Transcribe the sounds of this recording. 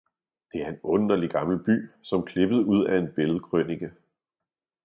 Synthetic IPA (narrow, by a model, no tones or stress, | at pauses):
d̥e̝æɐe̝nɔ̽nɐliɡ̥ɑ̈ml̩b̥y̰ːsɒ̽mkʰle̝b̥əð̞̩ˠuð̰ˠæe̝nb̥e̝ləð̞̩ˠkʰʁœniɡ̥æ